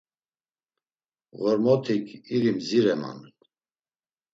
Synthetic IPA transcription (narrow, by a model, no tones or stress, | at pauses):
ɣɔɾmɔt̪ʰikʰiɾimziɾɛma̰n